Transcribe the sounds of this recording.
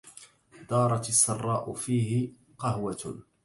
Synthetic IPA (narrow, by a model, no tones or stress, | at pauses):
d̪ɑːɾˤɑt̪sːɑrˤːɑːʔʊfiːɦɪ | qɑhwa